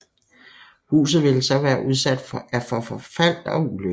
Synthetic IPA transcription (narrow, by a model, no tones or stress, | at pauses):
hṵːsð̞̩ˠʋe̝lsɒ̽ʋæːɐʔuð̞ˠsæd̥fɒ̽ʔæfɒ̽fɒfæl̰d̥ɒ̽ulø